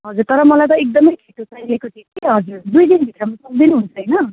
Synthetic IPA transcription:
ɦʌd͡zuɾt̪ʌɾʌmʌlajt̪ʌek̚d̪ʌmʌjkʰeʈusaj̃liekot̪ʰikiɦʌd͡zuɾd̪ujd̪inbʱit̪rʌmasʌk̚d̪inuɦunt͡sʰʌjnʌ

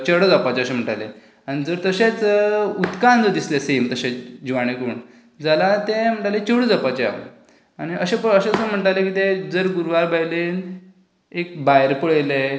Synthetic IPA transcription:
t͡ɕəɽəd͡zapat͡ɕeəɕem̤əʈale | aɽ̃id͡zəɾt̪əɕet͡sut̪kand͡zəɾd̪islesemt̪əɕet͡sd͡ʑiʋaɽ̃ekuːɳ | d͡zəlat̪em̤əɳʈalet͡ɕəɽəd͡zapat͡ɕea̰ʋ̰ | añiəɕepəəɕet͡səm̤əɳʈalekiːt̪ed͡zəɾɡuɾʋaɾbajlen | ek̚bajɾpəɭəjle

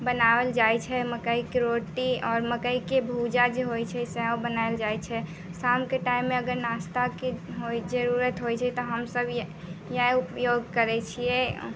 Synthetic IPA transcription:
bənabəld͡ʒajt͡ʃʰɛməkəikɾoʈiɔːɾməkəikebʱud͡ʒad͡ʒeɦojt͡ʃʰɛsɛɦwbənaeld͡ʒajt͡ʃʰɛ | samkeʈaimːeəɡəɾnast̪akeɦoid͡ʒəɾuɾət̪ɦojt͡ʃʰɛt̪ɔɦəmsəbʱj | jɛ̃upjoɡ̚kəɾɛt͡ʃʰiɛ

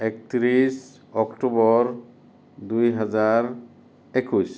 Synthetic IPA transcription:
ekt̪ɾis | ɔkʈubɔɹ | d̪ujɦazaɾ | ekus

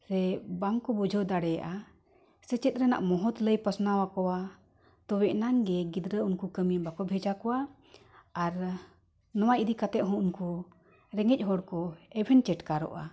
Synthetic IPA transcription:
ɾɛbaŋkɔbud͡ʒʱəd̪aɽɛja̰ʔa | sɛt͡ʃɛt̪̚ˀɾɛna̰ʔmɔɦɔt̪ləjpəsnawakɔwa | t̪ɔwɛʔnaŋɡɛɡid̪ɾəunkukəmibakɔbʱɛd͡ʒakɔwaː | ɾ | nɔwajʔid̪ikat̪ɛʔ̪ɦɔ̃unku | ɾɛŋɛc̚ˀɦɔɽkɔɛbʱɛnt͡ʃɛʈkaɾɔ̰ʔa̰

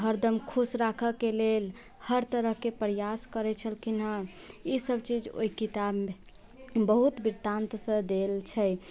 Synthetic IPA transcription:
ɦəɾd̪əmkʰusɾakʰəkelel | həɾt̪əɾəɦkepɾəjaskəɾɛt͡ʃʰəlkinə | isəbt͡ʃid͡ʒo̰ikit̪abme | bəɦut̪biɾt̪ãnt̪sə̃d̪elt͡ʃʰɛ

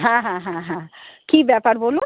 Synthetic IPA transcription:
ɦãɦãɦãɦãkibɛpaɾbolun

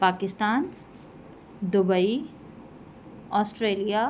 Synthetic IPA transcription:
pakist̪an | d̪ubʌi | ɔsʈɾelija

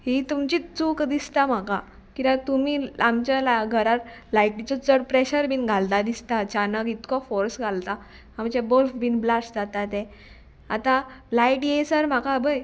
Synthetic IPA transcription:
ɦit̪umt͡ɕit̪t͡sukd̪ist̪am̤aka | kĩt̪ãt̪umiamt͡ɕalaɡʱəɾat̪lajʈit͡sɔt͡səɽpɾeɕəɾbʱinɡʱalt̪ad̪ist̪at͡ɕanəkit̪kɔfɔɾsɡʱalt̪a | amt͡ɕabəɾfbiːnblasd͡zat̪at̪ẽ | at̪alaiʈjesəɾm̤akabəj

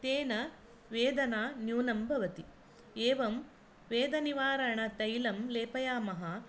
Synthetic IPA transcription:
t̪eːnɐ | ʋeːd̪ɐnaːnjuːnɐmbʱɐʋɐt̪i | eːʋɐm | ʋeːd̪ɐniʋaːɾɐɳɐt̪ɐjlɐmleːpɐjaːmɐɦɐ

